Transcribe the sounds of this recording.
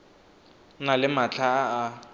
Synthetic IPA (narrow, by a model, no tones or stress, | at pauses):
nalɪmat͡ɬʰaː